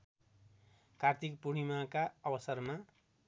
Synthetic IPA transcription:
kart̪ʰikpuɽ̃imakaʌbʌsʌrma

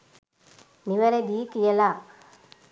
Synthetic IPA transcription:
miʋɐɾed̪iːkijəla

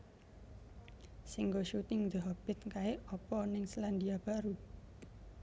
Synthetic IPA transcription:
siŋɡoʃut̪ɪŋd̪əɦɔb̥ɪt̪̚kaɪɔpɔnɪŋsland̪iab̥a̤ɾu

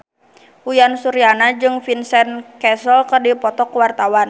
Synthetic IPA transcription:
ujansuɾianad͡ʒɨŋfinsɛnkɛsɔlkərdipɔt̪ɔkwart̪awan

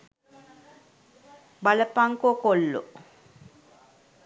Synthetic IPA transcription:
baləpaŋkokolːo̰

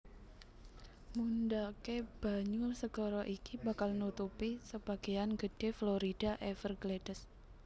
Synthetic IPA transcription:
mundakeb̥a̤ɲursəɡ̥ɔɾɔʔikibakalnut̪upisəb̥a̤ɡ̥ejanɡəd̥e̤floɾid̥a̤ʔefərɡledəs

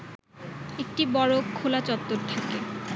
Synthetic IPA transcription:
ek̚ʈibɔɽokʰːolat͡ɕɔt̪ːoɾt̪ʰake

